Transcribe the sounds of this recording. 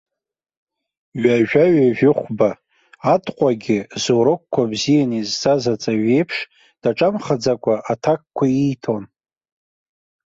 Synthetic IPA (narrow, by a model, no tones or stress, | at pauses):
ɥaʒᶣaɥaʒᶣɪχʷba | atʰʼqʷʼaɡʲɪzoɾokʷkʷʰːabzijanizzʰazat͡sʼaɥe̞jpʰʂ | d̥aʈ͡ʂʼamχad͡zakʷʼaʔatʰak̚kʷʰaijtʰo̞n